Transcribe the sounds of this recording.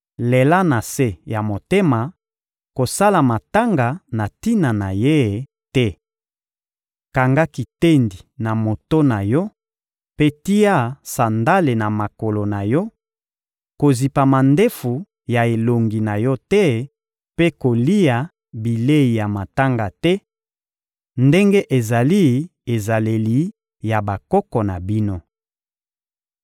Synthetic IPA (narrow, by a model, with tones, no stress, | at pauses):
le˨la˦na˨se˦ja˨mo˨te˦ma˨ | ko˨sa˦la˨ma˨ta˦ŋɡa˨na˨ti˦na˨na˨je˦˨ | tɛ˦ | ka˨ŋɡa˦ki˨te˦ndi˨na˨mo˨to˦na˨jɔ˦ | pe˦ti˦ja˦sa˨nda˦le˨na˨ma˨ko˨lo˨na˨jɔ˦ | ko˨zi˨pa˨ma˨nde˦fu˨ | ja˨e˨lo˨ŋɡi˨na˨jɔ˦tɛ˦ | pe˦ko˨li˦ja˨ | bi˨le˦i˨ja˨ma˨ta˦ŋɡa˨tɛ˦ | nde˦ŋɡe˦ʔe˨za˨li˦e˨za˨le˨li˨ | ja˨ba˨kɔ˦kɔ˨na˨bi˦no˦